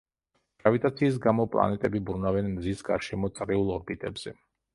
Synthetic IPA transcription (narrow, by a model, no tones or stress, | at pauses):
ɡ̥ɾavit̪ʼat̪sʰiːs̬ɡamɔpʼlˠa̰nɛt̪ʼɛbibɾunavɛnmzisɡa̰ɾʃɛmɔt̪sʼɾiulˠɔɾbit̪ʼɛbz̥ɛ